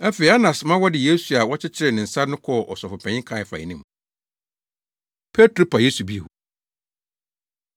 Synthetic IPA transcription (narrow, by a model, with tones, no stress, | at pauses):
æ˦fe˨i˨a˦nã˨smã˦wɔ˦dɪ˨je˦su˨a˨wɔ˦t͡ɕʰɪ˦t͡ɕʰɪ˦ɾɪ˨nɪ̃˨n̩˨sa˦nʊ̃˦kʰɔ˦˨ʔɔ̰˨sɔ˨fʊ˨pʰɛ̃˨ɲɪ̃˦kʰã˦˨fa̰˨ɪ̰˨nĩ˦m | pʰe˦tʰɾo˦pʰa˨je˦su˨bi˦e˨hu˨